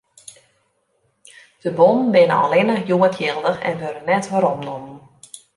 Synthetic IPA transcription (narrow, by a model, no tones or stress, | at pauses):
d̥əbɔnn̩bɪnəa̰lɪnəjuəkʰjɪlˠdəxɛ̰nʋøɾənːɛtʋaɾɔmnumən